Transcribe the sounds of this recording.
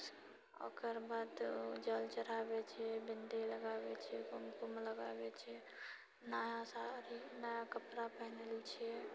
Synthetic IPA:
o̰kəɾbad̪d͡ʒəlt͡ʃəɾabet͡ʃʰɛbɪnd̪eləɡabet͡ʃʰɛkonkumləɡa̰bet͡ʃʰɛ | najasaɾinəjakəpɾapəɦnelt͡ʃʰiɛ

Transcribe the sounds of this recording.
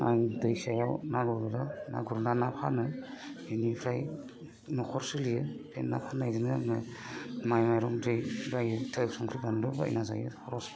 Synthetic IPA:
aŋdɯjsajawnaɡuɾudana̰ɡuɾudanapʰanɯenipʰɾaj | nɔkʰɔɾsɯlijɯb̥ʰenna̰pʰanajdɯnɯmɯmajmajɾɔŋdɯjbajɯtʰɯksɔŋkʰɾibandɯba̰j̰naza̰jɯ̰ɔɾɔs

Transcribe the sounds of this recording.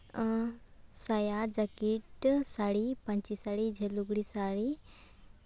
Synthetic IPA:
sajad͡ʑakiʈsaɽipãɲt͡ɕisaɽid͡ʑʱeluɡɽisaɭi

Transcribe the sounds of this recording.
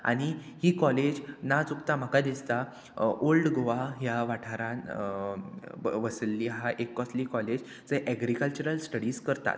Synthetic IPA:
a̰ɽ̃ihiːkɔled͡ʑnat͡sukt̪am̤əkad̪ist̪a | ʔolɖɡoʋaɦjaʋaʈʰaɾãn | ʋəslːiɦaʔekːɔsliːkɔled͡ʑ | t͡seʔɛɡɾikəlt͡ɕuəɾəlsʈəɽiːskəɾt̪a̰t̪

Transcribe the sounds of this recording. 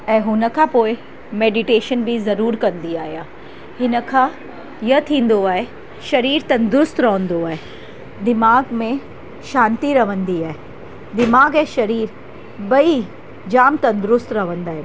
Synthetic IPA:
ɛ̃ːɦʊnə̆kʰãːpoːɪ | meːɖɪʈeːʃənbʱizɐɾuːɾkɐ̃nd̪iaːɦijaː | hɪnə̆kʰã | jɐt̪ʰĩːn̆d̪oaːe | ʃɐɾiːɾt̪ɐ̃nd̪ɾʊst̪ɾɐʋə̃nd̪oaːe | d̪ɪmaːɡmẽ | ʃaːnt̪iɾɐʋə̃nd̪iaːɦe | d̪ɪmaːɡɛ̃ːʃɐɾiːɾ | bɐi | d͡ʑaːmt̪ɐ̃nd̪ʊɾʊst̪ɾɐʋə̃nd̪aːɦe

